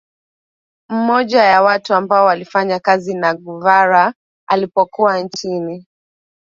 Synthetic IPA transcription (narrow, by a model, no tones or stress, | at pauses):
m̩mɔʄajawatuambaɔwalifaɲakazinaɡuvaɾa | alipɔkuwant͡ʃini